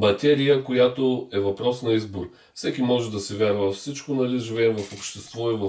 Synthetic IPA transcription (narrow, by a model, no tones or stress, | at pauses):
mɐt̪ɛɾijəkojat̪oɛvɐpɾɔsnɐizboɾi | fsɛkʲimɔʒɛd̪ɐsɛvʲjaɾvɐfsit͡ʃkonɐliʒivɛɛmvɐfopʃt̪ɛst̪vɔivɐ